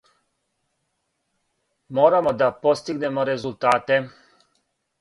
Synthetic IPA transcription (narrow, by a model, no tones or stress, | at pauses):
mo̞ːɾamo̞d̪apo̞st̪iɡne̞mo̞ɾe̞zult̪aːt̪e̞